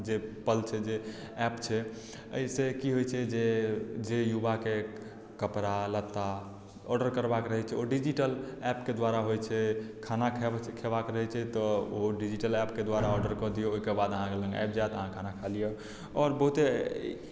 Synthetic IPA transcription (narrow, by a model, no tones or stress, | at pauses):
d͡ʒepəlt͡ʃʰɛd͡ʒe | ɛpt͡ʃʰɛ | ə̰isekiɦojt͡ʃʰɛd͡ʒed͡ʒejubake | kəpɾalət̪ːa | ɔɖəɾkəɾbakɾəɦɛt͡ʃʰɛoɖid͡ʒiʈəlɛpked̪waɾaɦojt͡ʃʰɛkʰanakʰkʰebakɾəɦɛt͡ʃʰɛt̪ɔoɖid͡ʒiʈəlɛpked̪waɾaɔɾɖəɾkɔd̪ijooɦikebad̪əɦãkelə̃ŋɡa̰jpd͡ʒajt̪əɦãkʰanakʰalije | ɔɾbəɦut̪e